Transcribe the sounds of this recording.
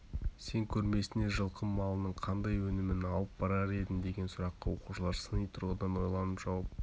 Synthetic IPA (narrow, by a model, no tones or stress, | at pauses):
se̞ŋkʲʰɵɾme̞sɪne̞ʒəlˠqʰəmːɑlˠənəɴqʰɑnd̪ɑjwɵnɪmɪnɑlˠəp̚b̥ɑɾɑɾe̞d̪ɪmd̪e̞ɡʲe̞nsʊɾɑqːɑwo̞quʃəlˠɑɾsənəjt̪ʰʊɾʁəd̪ɑnwo̞jlˠɑnəpʒ̥ɑwɑp̚